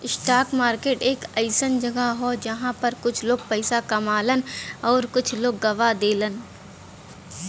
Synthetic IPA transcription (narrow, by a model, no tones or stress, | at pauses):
ɪsʈaːkmaːɾkeːʈeːkɐɪsənd͡ʒɐɡaɦod͡ʒɐɦãpɐɾkʊt͡ʃʰloːɡ̚pɛɪsakɐmaːlənɔːɾkʊt͡ʃʰloːɡːɐʋad̪eːlən